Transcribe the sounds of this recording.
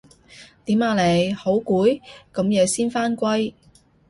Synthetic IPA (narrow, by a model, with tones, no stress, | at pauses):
t̪iː˨˥maː˨˧le˨˩jho˨˥wkuː˨˥jkɐ˨˥mjɛː˨˧siː˥nfaː˥nkʷɐ˥j